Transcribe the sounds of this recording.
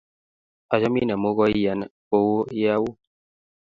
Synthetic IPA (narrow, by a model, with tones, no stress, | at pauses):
a˨d͡ʒɔ˦mi˦na˨mo˦ɣɔ˦i˦ja˨n˦ | o˦wo˦ja˦wu˦